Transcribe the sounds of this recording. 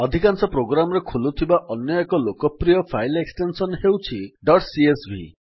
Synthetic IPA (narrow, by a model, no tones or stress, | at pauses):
ɔd̪ʱikansɔpɾoɡɾamɔɾekʰulut̪ʰibaʔɔnjɔekɔlokɔpɾijɔpʰajleksʈensɔnɦewt͡ʃʰiɖɔʈsiesbʱḭ